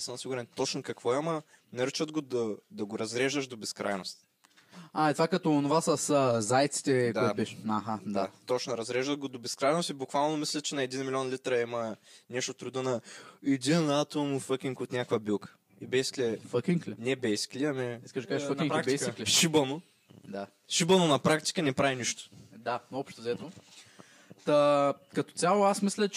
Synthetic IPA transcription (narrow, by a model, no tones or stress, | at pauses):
səmɐsiɡuɾɛnt̪ɔt͡ʃnokɐkvɔimɐ | nɛɾt͡ʃət̪̚ɡod̪ɐd̪ɐɡoɾɐzɾɛʒd̪əʃd̪obɛskɾa̰jnost̪ | aɛt̪vakɐt̪oːnʊvasɐsəzajt̪si̥t̪ɛk̪biʃaɦad̪at̪ɔt͡ʃnoɾɐzɾɛʒd̪ɐt̪̚ɡod̪obɛskɾajnost̪ibukvalˠnomislʲɛt͡ʃɛnɐɛd̪inmilʲiɔnlit̪ɾɐimɐnɛʃt̪ot̪ɾud̪ənɐɛd̪inat̪omufək̟ʲiŋkot̪nʲakvəbilˠkə̥ | ibɛjsi̥klʲɛfəkʲiŋklɛnɛbɛjsi̥klʲiɐmɛiskəʒkafnkɾakb̪sk̪iklɛʃibɐno | d̪a | ʃibɐnonɐpɾakt̪i̥kənɛpɾaviniʃt̪o̥d̪aɔpʃt̪ozɛt̪no | t̪ɐkɐt̪o̥t̪ʲalˠoasmislʲət͡ʃ